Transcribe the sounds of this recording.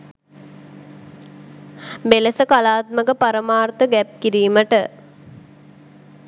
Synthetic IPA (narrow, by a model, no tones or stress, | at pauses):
beləsəkalaːt̪̚məkəpaɾəmaːrt̪əɡæp̚kiɾiːməʈə